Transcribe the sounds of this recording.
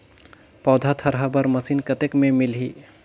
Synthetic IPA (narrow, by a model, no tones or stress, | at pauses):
pɔːd̪ʱat̪ʰəɾɦəbəɾməsinkət̪ekmẽmɪlɦi